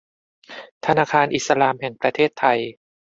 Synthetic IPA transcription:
t̪ʰa˧naː˧kʰaː˧nʔi˨˩t̪̚sa˧laː˧mɦɛ˨˩ŋpɾa˧t̪ʰeː˥˩t̪ʰːa˧j

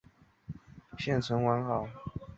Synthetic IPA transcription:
ɕjɛ˥˩nt͡sʰwə˧˥nwa˧˥nxɑ˨˩˦ʊ

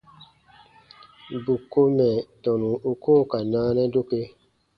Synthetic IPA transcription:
bu˨kːo˦mɛ˨tɔ˨nũ˨u˦koː˦˨ka˨naː˦nɛ˦do˦ke˦

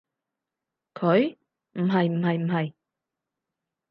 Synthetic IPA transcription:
kʰɵ˨˧˥ɥ | m̩˨˩ɦɐ˨˩jm̩˨˩ɦɐ˨jm̩˨˩hɐ˨˩j

